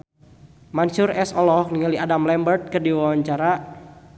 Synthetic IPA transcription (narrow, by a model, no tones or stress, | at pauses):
mansuɾɛsɔlɔhniŋaliʔadamlɛmbərt̪̚kɨrdiwawwaɲt͡ʃaɾa